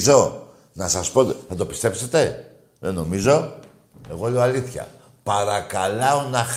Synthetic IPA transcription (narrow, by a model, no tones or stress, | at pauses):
zo̞ | nɐsɐspo̞t̪θɐt̪opi̥st̪e̞pse̞t̪e̞ | ðeno̞mizo̞ | e̞ɣo̞leoaliθçɐ̰ | pɐɾɐkɐlɐonɐ